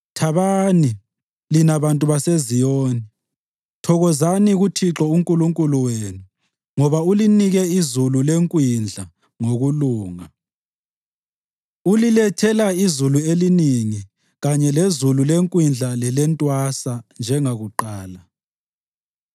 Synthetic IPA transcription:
tʰaβani | linaβantʼuβasezijɔːni | tʰɔɣɔzaniɣutʰiǁɔuŋkʼuluŋkʼuluwenu | ŋɔβauliniɣɛizululeŋkʼwind͡ɮʱa | ŋoɣuluːŋa | ulilɛtʰɛlaizulueliniŋi | ɣaɲɛlezululeŋkʼwind͡ɮʱalɛlɛntʼwasand͡ʒʱɛŋaɣuǃaːla

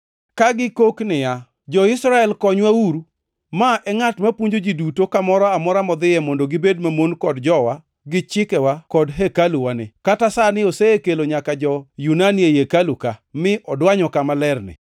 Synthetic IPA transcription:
kaɡɪkoknɪja | d͡ʒɔɪsɾaɛlkɔɲwauɾu | maʔɛŋatmapwuɲd͡ʒod͡ʒidutokamɔɾɔamɔɾamɔd̪ɪjɛmɔndoɡɪbed̚mamonkɔdd͡ʒɔwa | ɡɪt͡ʃɪkɛwakɔdɦekaluwanɪkatasanɪoseekeloɲakad͡ʒɔjunaniejekalukamɪʔɔdwaɲɔkamalɛrnɪ̰

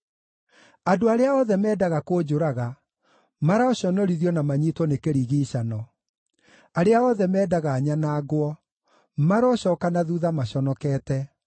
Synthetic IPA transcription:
adoaɾeaɔðɛmɛːdaɣakoːd͡ʑoɾaɣa | maɾaɔɕɔnɔɾiðiɔnamaɲitwɔnekeɾiːɣiɕanɔ | aɾeaɔðɛmɛːdaɣaːɲanaːɡwɔ | maɾɔɕɔkanaðuðamaɕɔnɔkɛːtɛ

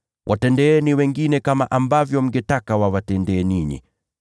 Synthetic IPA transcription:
wʔatɛndɛɛniwɛŋɡinɛkamaʔambavjɔm̩ɡɛtakawawatɛndɛːniɲḭ

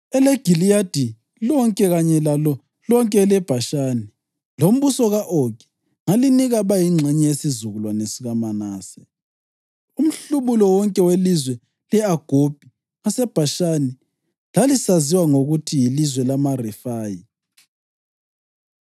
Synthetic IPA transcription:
ɛlɛɡ̥ʱilijad̥ʱi | lɔŋkʼɛɣaɲɛlalɔ | lɔŋkʼɛlɛb̥ʱaʃaːni | lom̩βusɔɣaʔokɛ̥ | ŋaliniɣaβajiŋ͡ǁʱɛɲɛesizuɣulwanesiɣamanaːsɛ | um̩ɬuβulɔwɔŋkʼɛwelizwɛ | lɛaɡ̥ʱob̥ʱi | asɛb̥ʱaʃani | lalisaziwaŋoɣutʰijilizwɛlamarɛfaːji

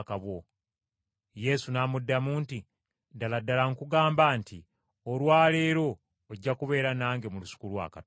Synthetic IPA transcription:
kaβwo | je̞sunaːmudːamuːnti | daladːalaŋkuɡaːmbaːnti | olwaːle̞ːɾo̞ː | ɟːakuβe̞ːɾanaːŋɡemulusu̥kulwa̰ːka

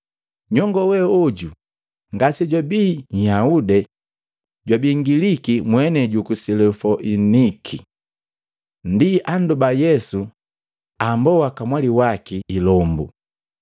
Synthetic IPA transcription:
ɲɔŋɡɔwɛɔɟu | ŋɡasiɟwabiːɲhaudɛ | ɟwabiŋɡilikimwɛnɛɟukusilɛfɔʔinikʰi | n̩diʔandubajɛsu | ambɔwakamwaliwakiːlɔmbu

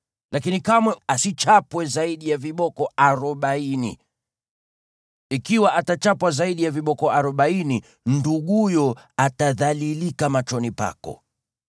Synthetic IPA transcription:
lakinikamwɛasit͡ʃapwɛzaiɗijaviɓɔkɔaɾɔɓainḭ | ikiwaʔatat͡ʃapwazaiɗijaviɓɔkɔaɾɔɓaini | nduɠujɔataðalilikamat͡ʃɔnipa̰kɔ̰

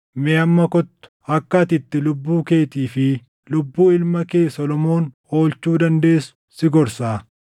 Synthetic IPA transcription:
meɐmːɐkɔt̪ːʊ̥ | ɐkːɐɐt̪ɪt̪ːɪlʊbːuːke̞ːt̪iːfɪ | lʊbːuːɪlmɐke̞ːsɔlɔmo̞ːn | o̞ːlt͡ʃuːd̪ɐnd̪e̞ːsʊ̥sɪɡɔɾsaː

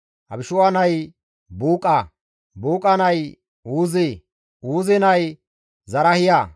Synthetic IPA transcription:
ʔɐ̰bɪʃʊwanɐj | buːkʼːa | buːkʼɐnɐj | uːze | uːzɪnɐj | zɐɾɐhɪja

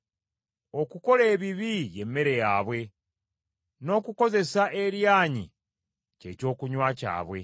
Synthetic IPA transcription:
o̞kuko̞le̞ːβiβije̞mːe̞ɾe̞jaːβwe̞ | no̞ːkuko̞ze̞saʔe̞ɾjaːɲḭ | ce̞co̞ːkuɲwaca̰ːβwe̞̰

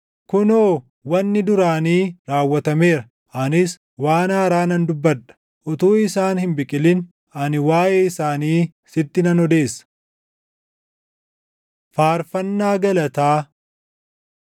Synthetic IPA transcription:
kʊnoː | wɐnːɪd̪ʊɾaːniːɾaːwːɐt̪ɐme̞ːɾɐ | ʔɐnɪs | waːnaːɾaːnɐnd̪ʊbːɐᶑɐ̥ | ʔɔt̪uːɪsaːnhɪmbɪkʼɪlɪn | ʔɐnɪwaːjʔeːɪsaːniː | sɪt̪ːɪnɐnɔd̪e̞ːsːɐ̥ | faːɾfɐnːaːɡɐlɐt̪aː

